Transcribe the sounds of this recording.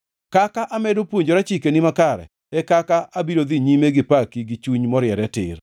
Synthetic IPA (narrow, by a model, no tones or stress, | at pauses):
kakaʔamɛdopwoɲd͡ʒoɾat͡ʃikenimakaɾɛ̰ | ɛkakaʔabiɾod̪iɲimeɡɪpakiɡit͡ʃuɲmɔɾjɛɾɛtɪ̰r